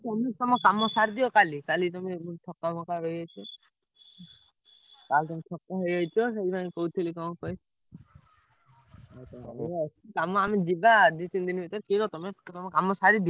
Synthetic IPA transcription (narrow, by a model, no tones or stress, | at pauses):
t̪ɔmet̪ɔmɔkamɔsaɾd̪iɔkalikalit̪ɔmebut̪ʰɔkːamɔkaɦɔiɡajt͡ʃʰɔ | kalt̪ɔmet̪ʰɔkːaɦɔjɡajt͡ʃʰɔs̬einakɔut̪ʰilikɔkɔj | at͡ʃaeəsikamɔamed͡ʒibad̪it̪ind̪inbʱit̪ɔɾkinɔt̪ɔmet̪ɔmekamɔsaɾid̪i